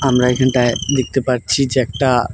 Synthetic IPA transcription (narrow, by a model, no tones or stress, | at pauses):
amɾaekʰəɳʈaed̪ek̚ʰt̪epaɾt͡ʃʰid͡ʒɛk̚ʈa